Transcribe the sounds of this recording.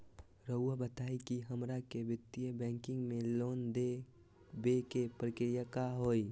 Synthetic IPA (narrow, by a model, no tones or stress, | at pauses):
ɾəʊabət̪aːikiɦəmɾakebɪt̪ːijəbɛ̃ːŋkɪ̃ŋɡmẽloːnd̪e | bekepɾəkɾijakaɦoːi